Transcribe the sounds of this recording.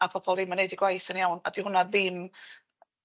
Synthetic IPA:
apʰɔb̥ɔlˠðɪmːanejdiɡwajθənjawna̰dihʊnaðɪm

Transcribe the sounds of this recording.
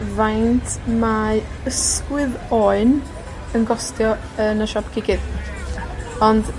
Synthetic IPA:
vajntʰmaəskwɨðɔɨn | ənɡɔstʰjɔ | ənəʃɔpkʰɪkɪð | ɔnd̥

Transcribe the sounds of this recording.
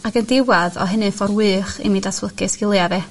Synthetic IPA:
akəndɪwaðɔ̰ɦənɨfɔrwɨːχḭmiːdatʰlˠəkɨsɡ̥ɪlˠjaðɛ

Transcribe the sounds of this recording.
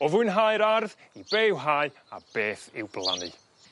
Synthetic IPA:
ɔvʊɨnɦajɾarðibejwɦaɨ | a̰b̥eːθɪ̰wblˠa̰nɨ̰

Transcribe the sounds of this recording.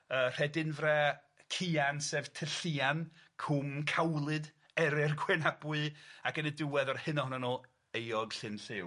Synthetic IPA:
əːr̥ɛdɪnvrɛ | kʰiansɛv̥tʰəɬiankʰumkʰawlˠɨd | ɛɾɪrɡwɛnabʊɨakənədɪwɛðɔrhɨnɔɔnanoː | ejɔɡɬɨnɬɪw

